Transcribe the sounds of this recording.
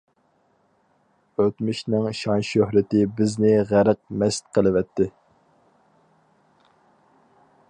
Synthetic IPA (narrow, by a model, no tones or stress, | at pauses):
øt̪myʃnɪŋʃɑnʃøɦɾɪt̪ɪbɪznɪʁæɾəq̚mɛst̪̚qʰəlˠɨwɛt̪ʰːɪ